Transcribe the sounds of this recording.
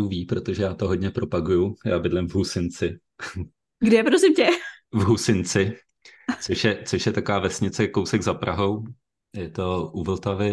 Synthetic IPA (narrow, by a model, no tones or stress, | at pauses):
uviːpɾo̞t̪oʒɛjaːt̪o̞ɦo̞dɲɛpɾo̞paɡujujaːbɪdlɪmvɦusɪnt͡sɪ | ɡdɛpɾosɪmcɛvɦusɪnt͡sɪ | t͡soʃjɛt͡soʃjɛt̪akovaːvɛsɲɪt͡sɛkowsɛɡzapɾʔaɦo̞w | jɛt̪o̞ʔuvl̩t̪avɪ